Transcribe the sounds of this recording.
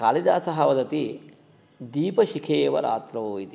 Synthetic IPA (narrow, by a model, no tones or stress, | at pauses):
kaːlid̪aːsɐɦɐʋɐd̪ɐt̪i | d̪iːpɐʃikʰeːʋɐ̰ɾa̰ːt̪ɾɐoːjit̪i